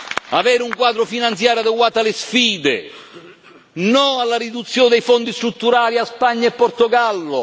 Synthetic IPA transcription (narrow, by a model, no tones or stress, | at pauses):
avɛːɾɪuŋkwaːd̪ɾʊfinant̪sjaːɾjad̪eɡwaːt̪alɪsfiːd̪e | nɔalːaɾid̪ut̪sːjoːnd̪ejfɔnd̪ist̪ɾut̪ːuɾaːliaspaɲːaɛpːort̪oɡalːʊ